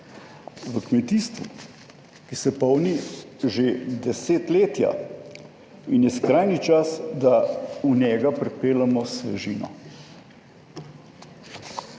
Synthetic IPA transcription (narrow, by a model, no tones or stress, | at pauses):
ʋəkmɛt̪iːst̪ʋṵ | kisɛpɔwniʒed̪ɛseːt̪leːt̪ja̰ | injɛskɾajnit͡ʃasd̪aunɛːɡapɾɛpeːlamɔsʋɛʒiːnɔ̰